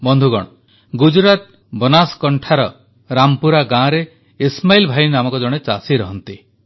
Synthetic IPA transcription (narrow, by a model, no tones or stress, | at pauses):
bɔnd̪ʱuɡɔ̰ɽ̃ɔ | ɡud͡ʒɾat̪̚ | bɔnaskɔɳʈʰaɾɔ | ɾampuɾaɡãɾe | ismajlbʱajnamɔkɔd͡ʒɔɽ̃et͡ʃa̰siɾɔɦɔnt̪i